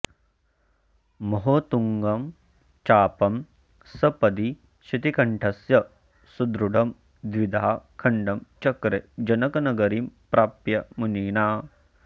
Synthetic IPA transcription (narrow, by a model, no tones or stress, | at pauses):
mɐɦoːt̪uŋɡɐm | t͡ʃaːpɐm | sɐpɐd̪i | ʃit̪ikɐɳʈʰɐsjɐ | sud̪ɾuɖɐm | d̪ʋid̪ʱaːakʰɐɳɖɐmt͡ʃɐkɾed͡ʒɐnɐkɐnɐɡɐɾimpɾaːpjɐmuniːnaː